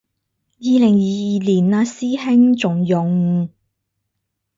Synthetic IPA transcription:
jiː˨˧lɪ˨˩ŋjiː˨˧jiː˨liː˨˩na˧siː˥hɪ˥ŋt͡sʊ˨ŋjʊ˨ŋ

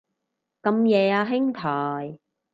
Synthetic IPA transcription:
kɐ˧mjɛː˨˧aː˧ɦɪ˥ŋt̪ʰɔː˨˩j

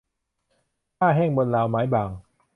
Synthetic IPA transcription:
haː˧˩ɦɛː˧ŋmə˨˩nlaː˨˩wmaː˨˦jɓaː˨˩ŋ

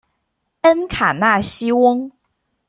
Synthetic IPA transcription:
ə˥nkʰa˨˩na˥˩ɕi˥wʊ˥ŋ

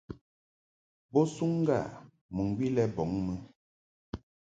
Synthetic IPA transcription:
bɔ˦su˦ŋ˦ɡa̰˦˨ | mu˨ŋɡwi˦lɛ˦bɔ˨˦ŋmə˦

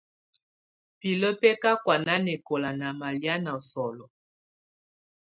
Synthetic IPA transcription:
pi˨lə˦pɛ˦ka˦kwa˨na˦nɛ˨ko˨la˨na˨ma˨lja˦na˨ɔ˨sɔ˨lɔ˨

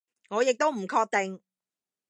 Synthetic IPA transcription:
ŋɔː˨˧jɪ˨k̚t̪o˥wm̩˨˩kʰɔː˧k̚t̪e˨ŋ

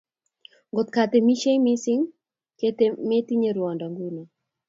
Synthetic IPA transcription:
ŋɡo˨t̪ka˨t̪e˨mi˦ʃe˦ŋmi˦sɪ˦ŋ | ke˦t̪e˦me˦t̪i˦ɲe˨ɾwɔ˨ndɔ˨ŋɡu˦ni˨

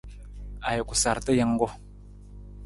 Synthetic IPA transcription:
a˨jo˨ku˨sa˨ɾtə˦jə˦ŋ˦ɡo˦

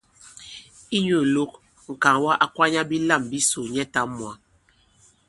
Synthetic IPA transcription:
i˦ɲo˨lo˦k̚ | ŋ̩˨ka˨ŋwa˦ʔa˦kwa˦ɲa˦bi˦la˦˨mbi˦so˨ɲɛ˦ta˦mwa˨

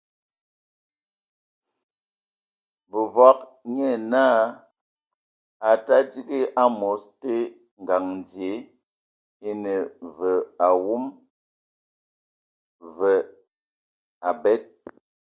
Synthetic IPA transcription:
bə˨va˦k̚ɲɛ˦˨na˦ | a˨ta˦di˦ɡi˦ʔa˦mo˨˦ste˦ | ŋ̩˨ɡa˨ŋn˨dje˨˦ | e˦nə˨və˨a˨wu˦m | və˨ | a˨bɛ˦t̚

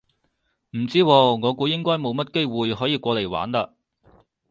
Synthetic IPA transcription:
m̩˨˩t͡siː˥wɔː˧ŋɔː˨˧kʷuː˨˥jɪ˥ŋkɔː˥jmo˨˧wmɐ˥t̚ke˥jwuː˨jɦɔː˨˥jiː˧kʷɔː˧le˨˩jwa̰ː˨˥nt̪aː˧

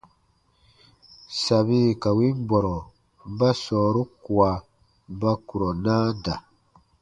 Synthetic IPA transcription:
sa˨βi˦ka˨wi˦m˦bɔ˨ɾɔ˨ | m̩˦ba˦sɔː˨ɾu˦ku˨a˨ | m̩˦ba˦ku˨ɾɔ˨naː˦da˨

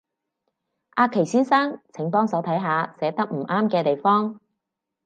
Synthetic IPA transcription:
ʔaː˧kʰːe˨˩jsiː˥nsaː˥ŋt͡sʰɪ˨˥ŋp̪ɔː˥ŋsɐ˨˥wt̪ʰɐ˨˥jɦaː˨˧sɛː˨˥t̪ɐ˥k̚m̩˨˩ʔaː˥mkɛː˧t̪e˨jfɔː˥ŋ

